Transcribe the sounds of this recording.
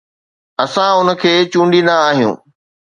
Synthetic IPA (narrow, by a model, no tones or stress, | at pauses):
ɐsãʊnə̆kʰeːt͡ɕũːɳɖind̪aːɦijṵ̃ː